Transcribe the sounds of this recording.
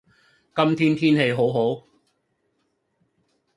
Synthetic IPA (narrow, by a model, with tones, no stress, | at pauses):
kɐ˥mt̪ʰiː˥nt̪ʰiː˥nɦe˧jɦo˨˥wɦo˨˥w